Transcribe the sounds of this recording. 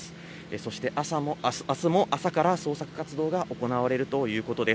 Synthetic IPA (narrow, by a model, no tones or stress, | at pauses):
sɨ̥ | eso̞ɕi̥t̪e̞ʔasamosɨ̥asɨmo̞ʔasakaɾaso̞ːsakɯ̟̥kat͡sɨd̪o̞ːɡaʔo̞ko̞naβaɾe̞ɾɯ̟t̪o̞jɯ̟ːko̞t̪o̞d̪e̞